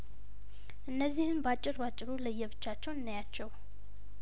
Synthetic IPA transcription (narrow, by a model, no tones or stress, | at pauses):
ʔɨnːəzːihɨnbat͡ʃʼːɪɾbat͡ʃʼːɪɾuləjːɛβɨt͡ʃːat͡ʃːɛwɨnːajat͡ʃːɛw